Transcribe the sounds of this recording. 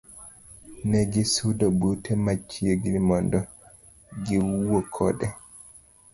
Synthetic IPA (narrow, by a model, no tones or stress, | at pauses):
nɛɡisudɔbutʰɛmat͡ʃːijeɡiɾimɔndɔ | ɡiwuwɔkʰɔɗɛ